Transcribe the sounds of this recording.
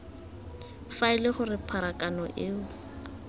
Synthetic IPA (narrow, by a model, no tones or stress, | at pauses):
faɪlɪχʊrɪpʰaɾakʼanɔʔɪːʊ